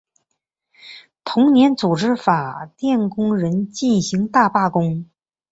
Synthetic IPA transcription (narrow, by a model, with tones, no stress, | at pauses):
t̪ʰʊ˧˥ŋnjɛ˧˥nt͡su˨˩ʈ͡ʂɻ̩˥fa˨˩t̪jɛ˥˩nkʊ˥ŋɻə˧˥nt͡ɕi˥˩nɕi˧˥ŋt̪a˥˧pa˥˩kʊ˥ŋ